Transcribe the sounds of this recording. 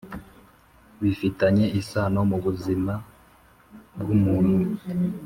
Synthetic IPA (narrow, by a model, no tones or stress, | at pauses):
βifitaɲe̞isaːno̞muβuzima | bɡumuːn̥u